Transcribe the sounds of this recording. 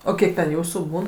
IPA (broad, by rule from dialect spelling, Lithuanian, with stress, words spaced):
oː ˈkʲiɛk tʲɛn ˈjuːsuː ˈbuːn